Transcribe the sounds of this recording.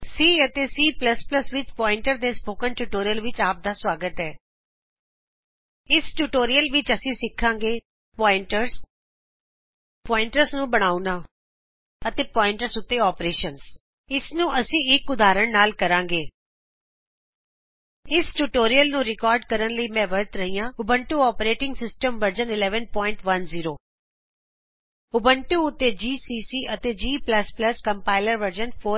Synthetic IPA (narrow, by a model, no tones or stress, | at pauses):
siːət̪eːsiːpləspləsʋɪt͡ʃpɔːɪ̃ɳʈəɾd̪eːspoːkənʈuːʈoːɾijəlʋɪt͡ʃaːp̚d̪aːswaːɡət̪ɦɛː | ɪsʈuːʈoːɾijəlʋɪt͡ʃəsĩːsɪkʰːãːŋɡeː | pɔːɪɳʈəɾs | pɔːɪɳʈəɾsnũːbəɽ̃aːunaː | ət̪eːpɔːɪ̃ɳʈəɾsʊt̪ːeːɔːpɾeːʃəns | ɪsnũːʔəsĩːɪkʊd̪aːɾəɳnaːlkəɾãːŋɡeː | ɪsʈuʈoːɾijəlnũːɾɪkɔːɾɖkəɾənləiːmɛ̃ːʋəɾt̪ɾəɦijãːʊbəɳʈuːɔːpɾeːʈɪŋɡsɪsʈəmʋəɾd͡ʒənɪlɛːʋənpɔːɪ̃ɳʈʋənziːɾoː | ʊbəɳʈuːʊt̪ːeːd͡ʒiːsiːsiːʔət̪eːd͡ʒiːpləspləskəmpaːɪləɾʋəɾd͡ʒənpʰoː